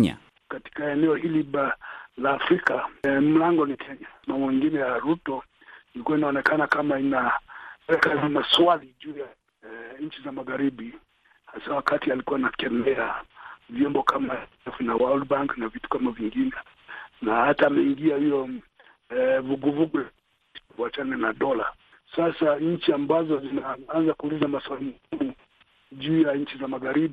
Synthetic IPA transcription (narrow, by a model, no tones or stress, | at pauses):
ɲa̰ | kati̥kaɛnɛɔhilialaːfɾikam̩laŋɡɔnikʰɛɲamambɔwiŋɡinɛjaɾutɔ | ilikuwainaɔnɛkanakamainawɛkazinaswalid͡ʒuːja | ɲ̩t͡ʃizamaɣaɾibi | hasawakatialikuwanakɛmɛavjɔmbɔkʰama | ɛfunawaldbaŋknavitu̥kamaviŋɡinɛ | nahataːmɛiŋɡiahijɔ | vuɡuvuɡul | ivuat͡ʃananaɗɔla | sasaɲ̩t͡ʃiambazɔzinaanzakuːlizamaswalimuumu | ʄuːjaɲ̩t͡ʃizamaɣaɾiɓ